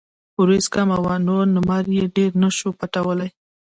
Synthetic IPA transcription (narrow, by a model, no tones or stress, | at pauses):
ʊɾeskamawanoɾnʊmɑɾjeɖeɾnaʃopaʈawəlaj